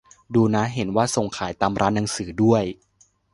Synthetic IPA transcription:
duː˧na˦˥ɦe˨˩˦nwaː˥˩so˨˩ŋkʰaː˩˦jt̪aː˧mɾʔaː˦˥nːa˩˦ŋsɯː˩˦du˥˩əj

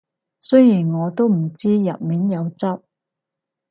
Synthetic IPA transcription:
sɵ˥jjiː˨˩nŋɔː˨˧t̪o˥wm̩˨˩t͡siː˥jɐ˨p̚miː˨˥njɐ˨˧wt͡sɐ˥p̚

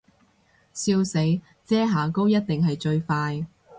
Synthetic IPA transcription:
siː˧wse˨˥j | t͡sɛː˥ɦaː˨˩ko˥wjɐ˥t̚t̪ɪ˨ŋɦɐ˨jt͡ʃɵ˧ɥfaː˧j

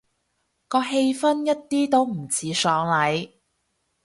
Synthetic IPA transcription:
kɔː˧ɦe˧jfɐ˥njɐ˥t̚t̪iː˥t̪o˥wm̩˨˩t͡sʰiː˨˧sɔː˨˧ŋlɐ˨˥j

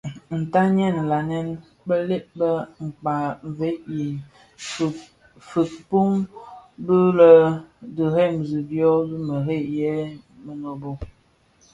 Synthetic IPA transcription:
n̩˨ta˦ɲɛ˦˨n˨la˨nɛ˦n | bə˦le˦ʔ̚bə˦ŋ͡m̩˨k͡pa˨ɱ˨ve˨˦ʔi˨ | fə˨k̚pu˦mbə˦lə˨də˨ɾe˦˨m̩˨zi˨bjɔ˦bi˦mə˨ɾe˦˨jɛ˦ | mə˨no˨bo˦˨

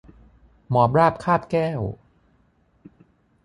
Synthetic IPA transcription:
mɔː˨˦p̚ɾaː˥˩p̚kʰaː˥˩p̚kɛː˥˩w

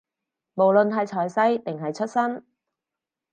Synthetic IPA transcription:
mo˨˩wlɵ˨nɦɐ˨jt͡ʃʰɔː˨˩jsɐ˥jt̪ɪ˨˩ŋɦɐ˨jt͡ʃʰɵ˥t̚sɐ˥n

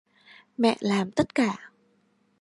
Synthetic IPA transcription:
mɛ̰˧˨ʔlaː˨˩mt̪ə˦˥t̚kaː˧˩

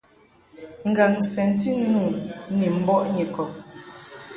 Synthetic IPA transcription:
ŋ̩˨ɡa˨ŋsɛ˨n̩˦ti˦nu˦˨ni˨m̩˦bɔ˦ʔɲe˨kɔ˨

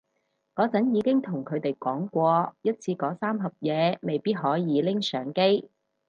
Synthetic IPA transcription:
kɔː˨˧˥t͡sɐ˨˥njiː˨˧kɪ˥ŋt̪ʰʊ˨˩ŋkʰɵ˨˧ɥt̪e˨jkɔː˨˥ŋkʷɔː˧jɐ˥t̚t͡sʰiː˧kɔː˨˧˥saː˥mɦɐ˨p̚jɛː˨˧me˨jpiː˥t̚ɦɔː˨˥jiː˨˧lɪ˥ŋsœː˨˥ŋke˥j

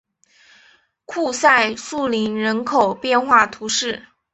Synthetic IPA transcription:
kʰu˥˧sa˥˧ɪʂu˥˩li˧˥nɻə˧˥nkʰo˨˩ʊpjɛ˥˧nxwa˥˩t̪ʰu˧˥ʂɻ̩˥˩

